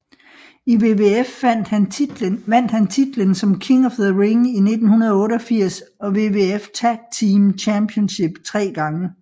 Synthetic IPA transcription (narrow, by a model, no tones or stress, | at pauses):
iʋe̝ʋeefn̰d̥h | ʋæn̰d̥hænt͡sʰid̥lənsɒ̽mkʰiŋɒ̽fðəʁeŋine̝d̥n̩hunɐð̞ˠɔ̽ːɾəɒ̽fiɐ̰sɒ̽ʋe̝ːʋe̝eft͡sʰæɡ̥̚t͡sʰiːmt͡ɕʰæmpʰiɔnɕe̝b̥t͡sʰʁɛ̰ːɡ̥ɑ̈ŋə